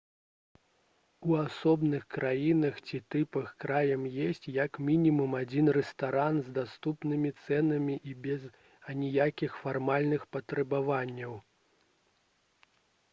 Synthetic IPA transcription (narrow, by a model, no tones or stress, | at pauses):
uasɔbnɨxkɾajinɐxt͡sʲit̪ɨpɐxkɾajɐmjesʲt͡sʲjɐkmʲinʲimumad͡zʲinrɛst̪aɾanzd̪ast̪upnɨmʲit̪sɛnɐmʲiʔibʲɛz | ɐnʲijakʲixfarmalʲnɨxpɐt̪ɾɛbavanʲːɐw